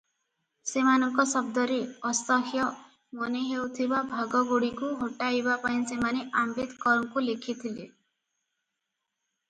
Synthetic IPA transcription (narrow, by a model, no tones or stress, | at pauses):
semanɔŋkɔsɔb̚d̪ɔɾeɔst̪ɔɦjɔ | mɔneɦewt̪ʰibabʱaɡɔɡoɽikuɦoʈaibapaĩsemaneʔambed̪kɔɾɔŋkulekʰit̪ʰile